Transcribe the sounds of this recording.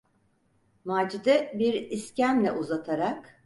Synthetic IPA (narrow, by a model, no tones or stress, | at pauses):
maːd͡ʒid̪ɛbiɾiscænlʲɛ̰ʔuzat̪ʰaɾak